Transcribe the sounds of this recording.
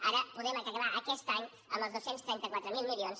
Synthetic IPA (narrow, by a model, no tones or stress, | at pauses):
aɾəpuðɛməkəkəβaʔəkɛst̪aɲ | ə̰mbəlˠzðowsenst̪ɾɛnt̪əkwat̪ɾəmilˠmilˠions